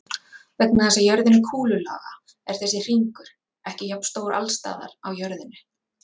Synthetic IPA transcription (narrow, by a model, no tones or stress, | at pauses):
vɛk̚nɪθɛnsajœɾðɪnːɪkʰuːlʏla̰ːɣa | ɛɾ̥θɛsːɪr̥iŋkʏɾ̥ | ɛhcɪjapn̥st̪owɾʔa̰lst̪a̰ːða̰ɾawjœɾðɪnːɪ